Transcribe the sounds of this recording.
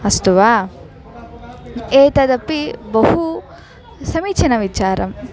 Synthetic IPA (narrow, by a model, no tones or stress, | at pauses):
ɐst̪uʋaː | eːt̪ɐd̪ɐpːibɐhu | sɐmiːt͡ʃʰɐnɐʋit͡ʃaːɾɐ̰m